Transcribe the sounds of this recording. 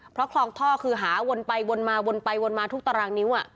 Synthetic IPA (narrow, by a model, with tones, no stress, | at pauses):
pʰɾɔ˦˥kʰlɔː˧ŋt̪ʰɔː˥˩kʰɯː˧ɦaː˩˦wo˧npa˧jwo˧nmaː˧wo˧npa˧jwo˧nmaː˧t̪ʰu˦˥k̚t̪a˧ɾaː˧ŋni˦˥ʔa˨˧˩ʔ